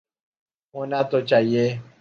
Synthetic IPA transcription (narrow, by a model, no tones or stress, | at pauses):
ɦonat̪ot͡ʃaːɦie